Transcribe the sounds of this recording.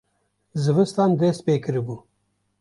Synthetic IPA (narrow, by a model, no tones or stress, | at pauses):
zɨvɨst̪and̪eːspeːkɨɾibu